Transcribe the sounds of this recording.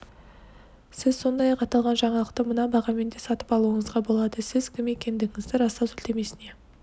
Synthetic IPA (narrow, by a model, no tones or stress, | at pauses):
sɪzso̞nd̪ɑjɑqɑt̪ɑlˠʁɑnʒɑɴɑlˠəqt̪əmənɑbɑʁɑme̞nd̪esɑt̪əpɑlˠuəɴəzʁɑbo̞lˠɑd̪əsɪzkʲʰɪme̞kʲe̞nd̪ɪɡʲɪŋɪzd̪ɪɾɑst̪ɑsʏlt̪e̞me̞sɪne̞